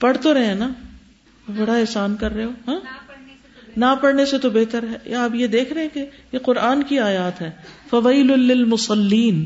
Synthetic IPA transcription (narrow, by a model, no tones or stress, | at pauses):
pɐɽ̤t̪oɾɐɦẽɛ̃na | bɐɽaɛːsaːnkɐɾːɦeɦoːɦãː | napɐɽneset̪obeɦt̪əɾɦɛ̰ːaːpjed̪eːkʰɾɐɦɛ̃ke | jeqʊɾʔaːnkiaːjaːt̪ɦɛːfɐʋaːlʊlɪlmʊsɐlːiːn